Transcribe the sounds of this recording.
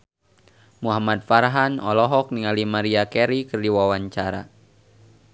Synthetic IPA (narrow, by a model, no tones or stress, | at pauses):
muɦamat̪̚faɾɦanɔlɔɦɔk̚niŋalimaɾiakɛɾikərdiwawaɲt͡ʃaɾa